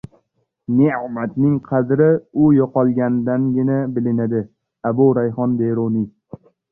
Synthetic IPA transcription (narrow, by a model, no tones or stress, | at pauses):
neʕmat̪nɪŋqʰɑd̪ɾɪʊjɒqʰɒlˠɡʲand̪anɡʲɪnabɪlɪnad̪ɪ | abʊɾajɦɒnd̪eɾoni